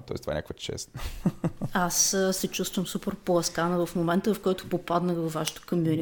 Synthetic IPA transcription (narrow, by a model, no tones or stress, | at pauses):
t̪ɔ̰ɛst̪va̰ɛ̰ɲakvət̪ʃɛ̰st̪nə | assɛt͡ʃust̪vəmsupɛɾpoɛskanəvɐfmomɛnt̪əvɐfkɔjt̪ʊ̥popad̪nəɣvɐvːaʃə̥t̪o̥komjuni